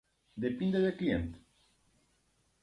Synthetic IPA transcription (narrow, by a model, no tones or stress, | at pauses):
d̪e̞pind̪e̞d̪e̞kliḛnt̪